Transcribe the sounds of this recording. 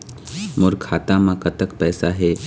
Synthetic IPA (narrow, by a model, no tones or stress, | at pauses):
mʊɾkʰaːt̪ãmãkət̪əkpɛːsaɦeː